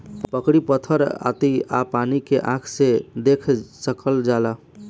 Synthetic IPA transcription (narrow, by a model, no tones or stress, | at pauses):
pəkɽipət̪ʰəɾa̰t̪ia̰panikeʔãkʰsed̪ekʰsəkəld͡ʒala